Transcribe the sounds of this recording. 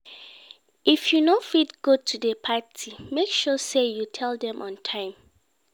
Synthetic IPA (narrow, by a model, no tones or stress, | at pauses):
ʔifjunofitɡ̥otʰudəpʰatʰimekʃɔsejutʰɛldɛ̃mʔɔ̰̃ntʰãɪ̃m